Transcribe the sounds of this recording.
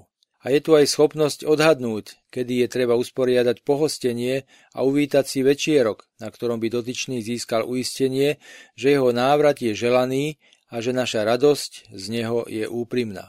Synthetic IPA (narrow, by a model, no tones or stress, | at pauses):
ajɛt̪uajsxɔpnɔscɔd̪ɦad̪nuːckɛd̪ijɛt̪ɾɛβauspɔɾɪad̪acpɔɦɔscɛɲɪɛ | a̰uʋiːt̪acsiʋɛt͡ʃɪɛɾɔknakt̪ɔɾɔmbid̪ɔt̪̬it͡ʃniːziːskalʔuiscɛɲɪɛʒɛjɛɦɔnaːʋɾat̪jɛʒɛlaniː | aʒɛnaʃaɾad̪ɔsczɲɛɦɔjɛ̰ʔuːpɾimna̰ː